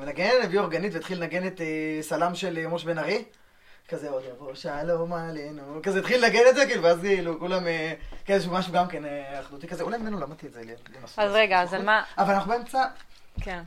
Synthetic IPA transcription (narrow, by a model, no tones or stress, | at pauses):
enaɡennnevioʁɡanit̪vet̪χilnaɡenet̪esalamʃelmoʃbenaʁi | kazeod̪avoʃalomalinukazeit̪χilnaɡenetzek̬iːluveazkiːlukulamekezʃ̬umaʃuɡamkeneaχd̪ut̪ikazeulajmmenulamat̪ietzelḭjot̪lemasazʁeɡazmaavalanaχnubeemt͡sa | kʰen